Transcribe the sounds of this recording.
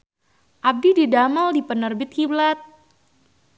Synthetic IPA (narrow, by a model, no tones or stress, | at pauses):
ʔab̚dididaməldipənərbɪt̪̚kiblat̪̚